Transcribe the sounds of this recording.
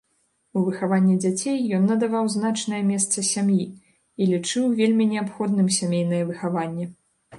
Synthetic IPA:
uvɨxavanʲːɛd͡zʲat͡sʲejːɔnːɐd̪avawzn̪at͡ʂnɐjɐmʲɛst̪sɐsʲamji | ilʲit͡ʂɨwvʲelʲmʲinʲɛapxɔd̪̚nɨmsʲamʲejn̪ɐjɐvɨxavanʲːɛ

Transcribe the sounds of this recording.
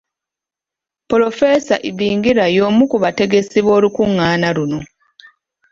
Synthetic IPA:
polo̞fe̞saʔiβiːŋɡiɾajo̞ːmukuβate̞ɡe̞siβwo̞ːlukuŋːaːnaluno̞

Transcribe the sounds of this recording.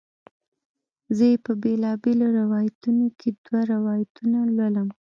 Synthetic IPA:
zəjepəbelɑbeloɾawɑjat̪unokʰed̪waɾawɑjat̪unalwələm

